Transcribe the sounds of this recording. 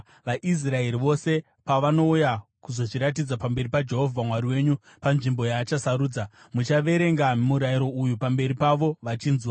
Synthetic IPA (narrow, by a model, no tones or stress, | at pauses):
ʋaʔis̬rae̞ɾiʋo̞se̞ | paʋano̞ujakuzo̞t͡ʃiɾat̬id͡zapambe̞ripad͡ʒe̞ɦo̞vʱamwaɾiwe̞ːɲu | panʐimbo̞jaːt͡ʃasaɾuːd͡za | mut͡ʃaʋe̞ɾe̞ŋɡammuɾaiɾo̞ujupambe̞ɾipaʋo̞ʋat͡ʃiːnzwa